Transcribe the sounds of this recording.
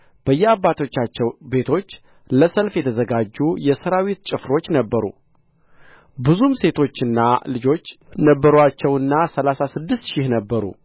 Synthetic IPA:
b̥əjːɛabːat̪ʰo̞t͡ʃːat͡ʃːɛwbe̞t̪ʰo̞t͡ʃː | ləsəlfjɛt̪ʰəzəɡad͡ʒːujɛsəɾawit̪t͡ʃʼɪfɾo̞t͡ʃːnəbːəɾṵ | bɨzumse̞t̪ʰo̞t͡ʃːɨnːa̰lɨd͡ʒo̞t͡ʃː | nəbːəɾat͡ʃːɛwɨnːasəlasasɨd̪ːɨst̪ʃɪhnəbːəɾṵ

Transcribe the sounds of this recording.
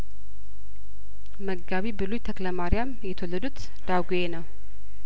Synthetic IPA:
məɡːaβibɨlujt̪ʰəkləmaɾijamjɛt̪ʰəwolːəd̪ut̪ | d̪̥aɡujenəw

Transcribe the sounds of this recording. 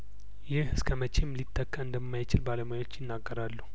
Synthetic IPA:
jɪhɨskʰəmət͡ʃemlit̪ʰʼːəkːəɨnd̪əmːajt͡ʃɪlbaləmajwo̞t͡ʃːjɪnːaɡːəɾalːu

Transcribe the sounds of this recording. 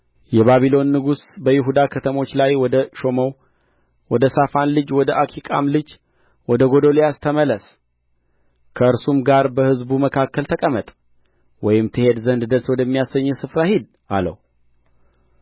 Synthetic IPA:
jɛβaβilo̞nːɨɡusbəjɪɦud̪akʰət̪ʰəmo̞t͡ʃːlajwɔd̪əʃo̞mow | wɔd̪əsafanlɨd͡ʒwɔd̪əʔakʰikʼa̰mlɨd͡ʒ | wɔd̪əɡo̞d̪olijast̪ʰəmələs | kʰəɨɾsumɡaɾbəhɨzbuməkʰakːəlt̪ʰəkʼəmət̪ʼ | wɔjɪmt̪ʰɨhe̞d̪zənd̪d̪əswɔd̪əmːijasəɲːɛsɨfɾahid̪ | a̰lə̰w

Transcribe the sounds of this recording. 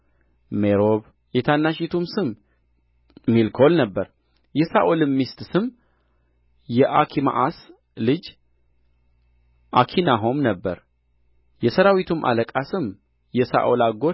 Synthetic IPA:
meɾo̞β | jɛt̪ʰanːaʃit̪ʰumsɨm | milkʰo̞lnəbːəɾ | jɛsaʔolɨmːist̪sɨm | jɛʔakʰima̰ʔas | lɨd͡ʒ | ʔakʰinaɦo̞mnəbːə̰ɾ | jɛsəɾawit̪ʰumʔa̰ləkʼasɨm | jɛsa̰ʔolaɡo

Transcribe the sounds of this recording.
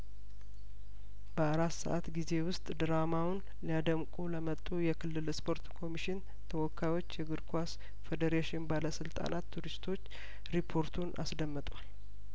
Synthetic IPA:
bəaɾat̪sə̰ʔat̪ɡize̞wʊst̪ʼd̪ɨɾamawʊn | lijad̪əmkʼuləmət̪ʼːujɛkʰɨlːɨlspʰo̞ɾt̪kʰo̞miʃɪn | t̪ʰəwɔkʰːajwo̞t͡ʃːjɛɡɨɾkʰʷas | fed̪əɾeʃɪnbaləsɨlt̪ʼa̰nat̪ʰːuɾist̪ʰo̞t͡ʃː | ɾipʰo̞ɾt̪ʰunʔa̰sd̪əmːət̪ʼwal

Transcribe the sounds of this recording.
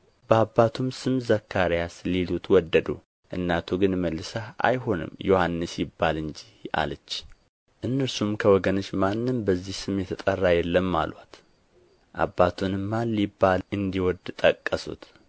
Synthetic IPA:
bəabːat̪ʰumsɨmzəkʰːaɾjaslilut̪ʰwɔd̪ːəd̪ṵ | ʔɨ̰nːat̪ʰoɡɨnməlːɨsaʔa̰jho̞nɨ̰mjohanːɨsjɪbːalɨɲd͡ʒia̰lət͡ʃː | ʔɨnːəɾsumkʰəwɔɡənot͡ʃːmanːɨmbəzːihsɨmjɛt̪ʰət̪ʼərːajɛlːəmːa̰lwa̰t̪ | ʔa̰bːat̪ʰunɨmːalːibːalɨnd̪iwɔd̪t̪ʼəkʼːəsṵt̪

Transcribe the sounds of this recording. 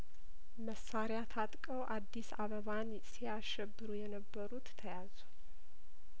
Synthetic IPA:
məsːaɾɪjat̪ʰat̪ʼkʼəwʔad̪ːisaβəβan | siaʃʃɛbːɨɾujɛnəbːəɾut̪t̪ʰːəjazu

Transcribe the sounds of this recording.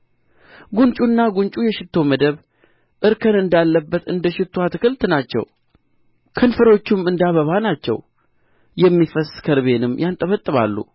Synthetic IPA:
ɡunt͡ʃʼunːaɡunt͡ʃʼujɛʃɪt̪ʰːo̞məd̪əβ | ʔɨɾkʰənɨnd̪alːəbːət̪ɨnd̪əʃɪt̪ʰːoat̪kʰɨlt̪nat͡ʃːɛ̰w | kʰənfəɾo̞t͡ʃːumɨnd̪aβəβanat͡ʃːɛ̰w | jɛmːifəskʰəɾβe̞nɨmːjant̪ʼəβət̪ʼːɨβa̰lːṵ

